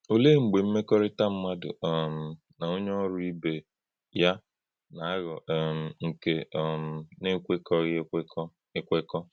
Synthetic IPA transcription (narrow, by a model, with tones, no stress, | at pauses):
o˦le˦˨ŋ͡m̩˨ɡ͡be˨m̩˦me˦kɔ˦ɾɪ˦ta˦m̩˦ma˦dʊ̰˨m̩˨ | na˨o˦ɲe˦ɔ˦ɾʊ˦i˦be˨ | ja˦ | na˨a˦ɣɔ˨m̩˨ŋ̩˨ke˦˨m̩˨ne˦kʷe˦kɔ˦ɣɪ˦kɔ˦ | ɪ˦kʷe˦kɔ˦